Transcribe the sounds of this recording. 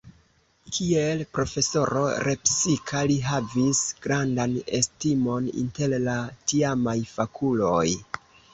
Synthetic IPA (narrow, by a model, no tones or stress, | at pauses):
kʰie̞lpɾo̞fe̞so̞ɾo̞̰ɾe̞psikʰaliɦavisɡ̥ɾandane̞̰stimo̞nḭnte̞llatiamajfakʰulo̞j